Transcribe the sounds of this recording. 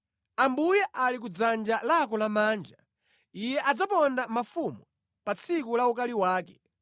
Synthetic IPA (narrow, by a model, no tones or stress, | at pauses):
ambujɛʔalik̬ud͡zand͡ʒalakɔlamaːnd͡ʒa | ijɛʔad͡zapɔndamafumu | pat͡sʰikulaukaliwaːkɛ